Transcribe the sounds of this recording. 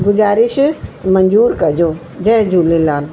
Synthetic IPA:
ɡʊd͡ʒaːɾiʃmɐɲd͡ʒuːɾkɐd͡ʒoː | d͡ʒɛɦd͡ʒuːlilaːl

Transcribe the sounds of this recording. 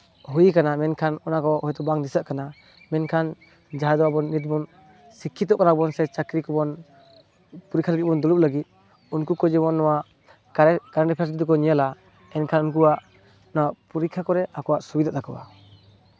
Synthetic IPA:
ɦujkanamɛnkʰanɔnakɔhɔjt̪ɔbaŋd̪isaʔkana | mɛnkʰan | d͡ʒaɦad̪ɔwabɔnːit̪̚bɔn | sikʰːit̪ɔʔkanabɔnsɛt͡ʃakɾikɔbɔn | puɾikʰalaɡit̚bɔnd̪ɔlup̚laɡit̪̚ | unkukɔd͡ʒɛbɔnːɔwaʔ | kaɾanʈipʰas̬id̪ɔkɔnijala | ɛnkʰanunk̬uwaʔ | nwaʔpuɾikʰakɔɾɛakɔwaʔsubid̪aʔ̚d̪akɔba̰

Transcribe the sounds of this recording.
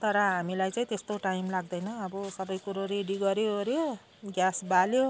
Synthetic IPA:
t̪ʌɾʌɦamilajt͡saĩt̪est̪oʈajmlaɡd̪ʌjnʌːbʌsʌbʌjkuɾoreɖiɡʌɾjoɾjo | ɡjasbaljo

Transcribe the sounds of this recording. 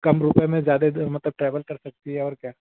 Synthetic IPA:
kɐmɾʊpẽmẽzjaːd̪emɐt̪ləb̚ʈɾɛːʋəlkɐɾsɐk̚t̪iɦɛɔːɾkjaː

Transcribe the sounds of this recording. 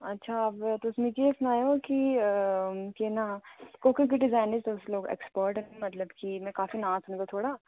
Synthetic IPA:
ɐtːʃʰaɐbt̪oʊsmĩd͡ʒesnaːjoki | kenakoːkə̃k̬iɖɪzaːɪnəzt̪oʊsloːɡḛːkspɔːɾʈɦmɐt̪ləbkimɛ̃kaːfinãːzɦõɡ̪at̪ʰoːɽa

